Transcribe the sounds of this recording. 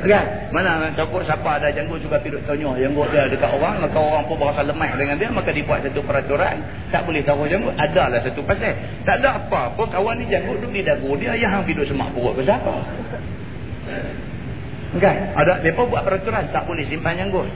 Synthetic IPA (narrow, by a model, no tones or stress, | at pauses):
ɡan | manaat̪okʊʔsapaːdad͡ʒaŋɡʊʔsuɡapidʊʔt̪oɲɔhjaŋɡʊʔdiadəkaʔ̪oɣaŋakaoɣaŋpʊnbaɣasaləmajʔdəŋandiəmakadibua̰ʔ̪̚sat̪upəɾat̪uɾa̰n | t̪a̰ʔbolɛht̪aɦʊhd͡ʒaŋɡʊʔ̪adalahsat̪upasɛt | t̪aʔadaapapʊnkawanːid͡ʒaŋɡʊʔdʊdidaɡʊdiəjaɦaŋpidʊʔsəma̰ʔpuɡɔʔbəs̬apa̰ | ɡanadaʔdiəpobuaʔ̪̚pəɾat̪uɾant̪aʔbolɛhsimpand͡ʒaŋɡʊʔ